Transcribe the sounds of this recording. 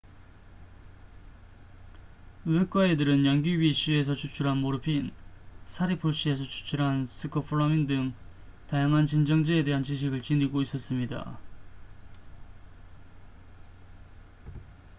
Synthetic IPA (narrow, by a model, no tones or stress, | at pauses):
ɯek̚k͈waedɯɾɯnjʌnɡibiɕ͈ʰie̞s̬ʰʌt͡ɕʰut͡ɕʰuɾɦanmoɾɯpʰinsʰaɾipʰoɭɕ͈ie̞sʰʌt͡ɕʰu̥t͡ɕʰuɾɦansʰɯkʰʌpʰɯɭamindɯŋ | tajaŋɦant͡ɕind͡ʑʌŋd͡ʑeede̞ɦant͡ɕiɕ̬ʰiɡɯɭt͡ɕiniɡois͈ʌs͈ɯmɲida̰